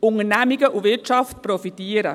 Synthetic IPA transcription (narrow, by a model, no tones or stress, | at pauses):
ʊŋənæmiɡəʔuvɪɐtt͡ʃɑftprɔfitiːəɾə